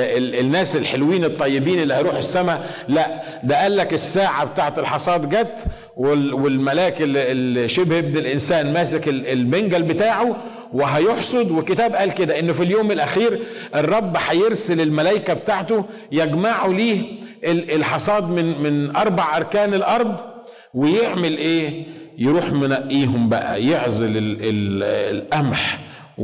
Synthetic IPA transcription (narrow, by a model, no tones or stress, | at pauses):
eenːæːselħelwiːnet̪ˤːɑjːebiːnelːihɑjɾuːħesːæmaʕ | læʔ | d̪æʔæːlːækesːaːʕabet̪aːʕet̪elħɑsˤɑːd̪ˤɡæt̪ː | wewelmælæːkelelʃebhʔebnelʔɪnsæːnmæːsækelelbeŋɡælbet̪aːʕo | weɦæjoħsˤod̪wekːet̪æːbʔæːlked̪æʔenːofiljoːmelʔæxiːɾ | ʔerˤːɑbːħɑjeɾselelmælæjkæbet̪aːʕt̪o | jæɡmaʕuliːʔeelħɑsˤɑːd̪ˤmenmɪnʔɑɾˤbɑʕʔɑɾˤkæːnelʔɑɾˤd̪ˤ | wejeʕmelʔeː | jeɾuːħmonæʔːiːɦombæʔæ̰jeʕzˤelelelʔæmħ